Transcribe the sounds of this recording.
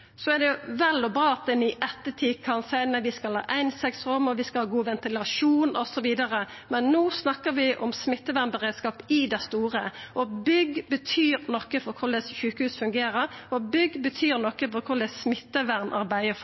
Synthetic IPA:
sɔɛd̪ɛjʊʋɛlɔbɾɑːɑt̪̚d̪ɛnyːʔɛt̪ːət̪ʰiːkʰɑnsæɪnəʋɪskɑlhɑ̰ːʔæɪnsɛksʁʉmːɔʋɪskɑlhɑːɡuːʋɛnt̪ɪlɑʂuːnɔsɔʋiːd̪ɑɾəmɛnːoːsnɑkːəɾʋɪʔɔmsmɪt̪ːəʋæʁnbəʁeːd̪skɑːpɪd̪æɪst̪uːɾəʔɔbʏɡbət̪ʰyːɾnɔkːəfɔɾkʰʊɾd̪ɛsçʉːkəhʉːsfʉŋɡeːɾəɾɔbʏɡbət̪ʰyːɾnɔkːəfɔɾkʰʊɾd̪ɛssmɪt̪ːəʋæʁnʔɑ̰ɾbæɪə

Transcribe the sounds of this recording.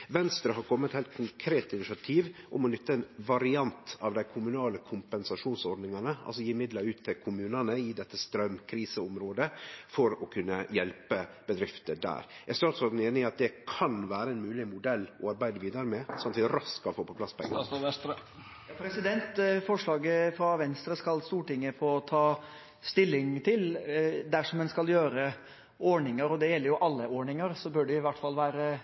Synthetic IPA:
ʋɛnst̪ɾəɦɑɾkʰɔmːəɛt̪hæɪlt̪̚kʰʊŋkʰɾeːt̪ɪnɪʃɑt̪ʰiːʋʔʊmɔnʏt̪ːəɛnʋɑɾɪɑnt̪ɑʋd̪æɪkʰʊmʉnɑːləkʰʊmpɛnsɑʂuːnsɔɾɖ̪nɪŋɑnəʔɑ̰ls̬ɔjiːmɪd̪lɑɾʉːt̪ʰːɪlkʰʊmʉːnənəɪd̪ɛt̪ːəst̪ɾœmkʰɾiːsəʊmɾoːd̪əfɔɾɔkʰʉnːəjɛlpəb̥əd̪ɾɪft̪əd̪æ̰ːɾɛst̪ɑːɑt̪sɔd̪n̩eːnɪɑt̪̚d̪ɛkʰɑnʋæːɾəɛnmʉːlɪmʊd̪ɛlːɔɑɾbæɪd̪əʋiːd̪əɾəmɛsɑmt̪ʋɪɾɑskɑfoːpʰɔpʰlɑspʰɔɛ̰ŋːə̰ | jɑpʰɾɛsɪd̪ɛnt̪fɔʂɭɑːɡəfɾɑʋɛnst̪ɾəskɑlst̪uːʈɪŋːəfoːt̪ʰɑː | st̪ɪlːɪŋt̪ʰɪld̪æʂɔmɛnskɑljøːɾə | ɔɳɪŋəɾɔd̪ɛjɛlːəɾjʊʔɑlːəɔɳɪŋəɾsɔbœɖɛɪʋæʈːfɑlːʋæːɾə

